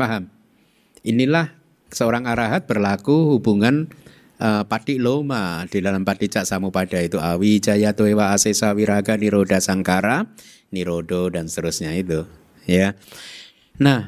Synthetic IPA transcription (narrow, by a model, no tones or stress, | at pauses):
faɦam | ʔinilah | səoɾaŋaɾaɦat̪̚bərlakuhub̥uŋan | ʔəpad̥ɪʔlomad̥idalampad̥iʔt͡ʃaʔsamupad̥ait̪uʔawid͡ʒajat̪oewaːsesawiɾaɡaniɾodasaŋkaɾa | niɾoɖodanst̪əɾusɲait̪u | ja | nah